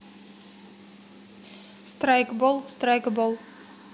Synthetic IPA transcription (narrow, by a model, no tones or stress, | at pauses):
st̪rajkbolˠst̪rajkbolˠ